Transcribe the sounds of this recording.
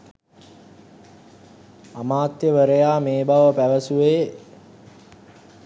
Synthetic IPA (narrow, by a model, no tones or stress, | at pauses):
amaːt̪jəʋəɾəjaːmeːbaʋəpæʋəsuʋeː